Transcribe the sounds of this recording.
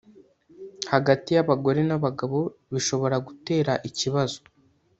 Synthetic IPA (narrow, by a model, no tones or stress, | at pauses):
haɡatijaβaɡo̞ɾenaβaɡaβo̞βiʃo̞βo̞ɾaɡute̞ːɾaʔiciβazo